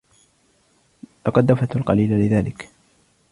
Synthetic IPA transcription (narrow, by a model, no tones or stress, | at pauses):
t̪ɑqɑd̪ːafat̪alqɑliːlalɪðaːlɪk